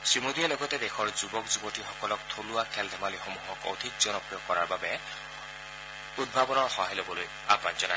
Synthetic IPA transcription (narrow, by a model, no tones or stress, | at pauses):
sɹimodiɛlɔɡɔtɛdɛxʰɔɹzubɔkzubɔtixɔkɔlɔk̚tʰolʊakʰɛldʱɛmalixomuɦɔko̰d̪ʱik̚z̥ɔnɔpɹijɔkɔɹaɹbabɛ | ud̚bʱabɔnɔɹxɔɦajlobɔloj | a̰bbanzɔna